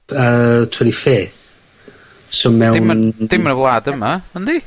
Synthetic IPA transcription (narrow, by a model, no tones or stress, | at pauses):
ətʰwɛdifeːθ | somɛɪmnd̥ɪmnəvlˠaːdəmaənd̪i